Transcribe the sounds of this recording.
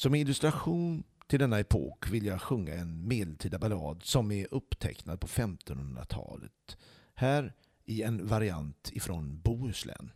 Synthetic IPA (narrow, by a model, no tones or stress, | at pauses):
sɔmɪlːɵst̪ɾaɧuːnt̪ʰɪld̪ɛnːaɛpʰo̰ːkvɪljaɡɧɵŋːa̰ɛnmeːd̪ɛlt̪ʰiːd̪abalɑːd̪sɔmɛɾʔɵpːt̪ʰɛ̰knad̪̚pʰɔfɛmt̪ɔnhɵnd̪ɾa̰t̪ʰɑ̰ːlə̰t̪ | hæːɾ | ɪɛnvaɾɪant̪ɪfɾɔnbuːslʔɛ̰n